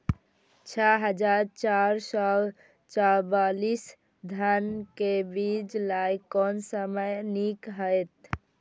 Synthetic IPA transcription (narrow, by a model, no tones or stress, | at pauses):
t͡ʃʰɛɦəd͡ʒaɾt͡ʃaɾsə | t͡ʃabalis | d̪ʱankebid͡ʒlajkɔnsəməjnikɦəjt̪̚